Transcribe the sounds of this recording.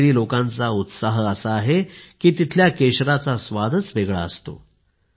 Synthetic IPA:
ɾiːlokãnt͡saut̪saɦəəsaːɦekiːt̪it̪ʰljakeɕɾat͡sasʋad̪ʱət͡sʋeɡɭa̰əst̪o̰

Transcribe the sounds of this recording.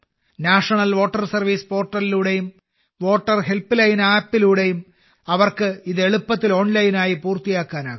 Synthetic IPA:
naːʂɐɳɐlʋo̞ːʈːɐrsɐrʋiːspo̞ːrʈːɐliluːɽe̞jum | ʋo̞ːʈːɐrɦe̞lplɐjnaːpːiluːɽe̞jum | ɐʋɐrkɨiðe̞ɭupːɐt̪ːilo̞ːnlɐjnaːjipuːrt̪ijaːkːaːna̰ːɡum

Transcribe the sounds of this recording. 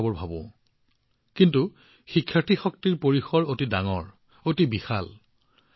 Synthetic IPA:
abɔɹbʱabʊ̰̃ | kintu | xikʰːjatʰixɔk̚tiɹpoɹixɔɹotidaŋɔ̰ɹ | otibixal

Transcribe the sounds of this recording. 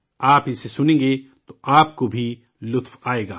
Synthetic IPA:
aːpɪsesʊnẽːŋɡe | t̪oʔaːpkobʱi | lʊt̪faːeːɡa̰ː

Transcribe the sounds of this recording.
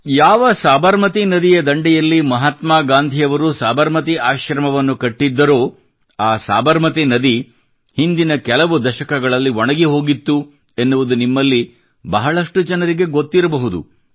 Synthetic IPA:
jaːʋɐsaːbɐɾmɐt̪̬inɐd̪ijɐd̪ɐɳɖijɐlːimɐɦat̪maːɡaːnd̪ʱijɐʋɐɾusaːbɐɾmɐt̪̬iʔaːʃɾɐmɐʋɐnːukɐʈːid̪ːɐɾo̞ː | aːsa̰ːbɐɾmɐt̪inɐd̪i | hind̪inɐkɛlɐʋud̪ɐʃɐkɐɡɐɭɐlːiʋɔɳɐɡiɦo̞ːɡit̪ːu | e̞nːuʋud̪unimːɐlːi | bɐɦɐɭɐʂʈud͡ʒɐnɐɾiɡe̞ɡot̪ːiɾɐbɐɦud̪ṵ

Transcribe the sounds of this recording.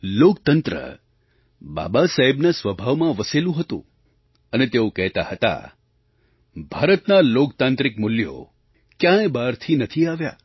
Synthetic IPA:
lokt̪ənt̪ɾə̰ | ba̰basaɦebnasʋəbʱaʋmãʋəselũɦət̪ṵ̃ | ənet̪eokəɦt̪ahət̪a̰ | bʱaɾət̪nalokt̪ãnt̪ɾikmʊljo̰ | kjãebaɾt̪ʰinət̪ʰiaʋja̰

